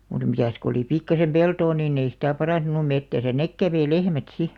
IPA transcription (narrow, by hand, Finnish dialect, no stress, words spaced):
mut mitæs ko oli pikːɑsem peltoː niːn ei sitæˑ pɑrɑˑntunu metːæsæ nek kæʋeĭ lehmæt si